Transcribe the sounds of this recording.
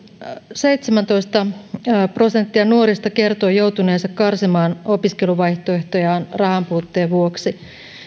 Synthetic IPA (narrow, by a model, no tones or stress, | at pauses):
seit̪semænt̪o̞ist̪ɑpro̞sent̪ːiɑnuoɾist̪ɑke̞rt̪oːjouwt̪uneːsɑkkɑrsimɑːnopiskeluʋɑjht̪oeht̪ojɑːnrɑhɑmpuːt̪ːeːʋʋuoksi